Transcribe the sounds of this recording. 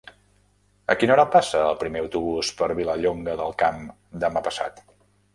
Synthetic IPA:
ə̰kinɔɾapasəːlˠpɾimeəwt̪uβ̞uspəɾβiləʎoŋɡəðəlˠkam | d̪əmapəsa̰t̪

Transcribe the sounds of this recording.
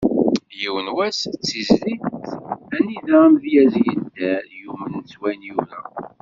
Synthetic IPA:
jiwənwæst͡sːizːi | æniðæmðjæzjənt̪æjumənt͡sːwænjuɾæ

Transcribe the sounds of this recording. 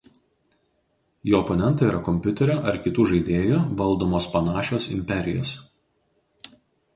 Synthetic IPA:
joːɔpɔnʲɛnt̪ɐiːɾɐkɔmʲpʲʊt̪ʲɛɾʲoːʔɐɾkʲɪt̪uːʒɐɪd̪ʲeːjuːʋɐlˠˑd̪oːmoːspɐnɑːʃʲoːsɪ̰mʲpʲɛɾʲɪ̰jo̰ːs

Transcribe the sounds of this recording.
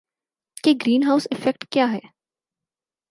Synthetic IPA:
keɡɾiːnɦaːʊsɪfɛk̚ʈkjaːɦɛː

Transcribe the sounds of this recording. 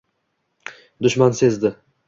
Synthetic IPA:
d̪ʊʃmanse̞zd̪ɪ

